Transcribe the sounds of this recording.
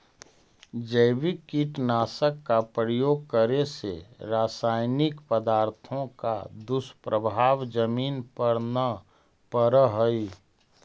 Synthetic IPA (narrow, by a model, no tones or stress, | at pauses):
d͡ʒəɪʋikːiʈnaːsəkːapɾəjoːɡ̚kəɾesḛɾaːsaːɪnɪkpəd̪aːɾt̪ʰõka̰d̪ʊspɾəbʱaːʋd͡ʒəmiːnpəɾnə | pəɾəɦəi